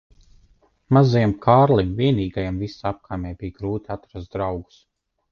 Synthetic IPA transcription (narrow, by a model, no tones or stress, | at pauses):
mazajamkʰaːɾlimviɛniːɡajamvisap̚kʰaːmʲɛjbijɡɾuːt̪ʲiat̪ɾast̪̚d̪ɾawɡu̥s